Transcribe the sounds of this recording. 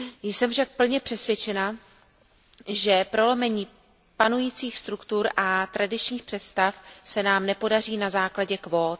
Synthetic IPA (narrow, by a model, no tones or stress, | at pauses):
jsɛmfʃak̚pl̩ɲɛpr̥ɛsvjɛt͡ʃɛna | ʒɛpɾo̞lomɛɲiː | panujiːt͡siːxst̪ɾukt̪uɾʔat̪ɾadɪt͡ʃɲiːxpr̥ɛt̪st̪afsɛnaːmnɛpo̞dariːnazaːklaɟɛkvoːt̪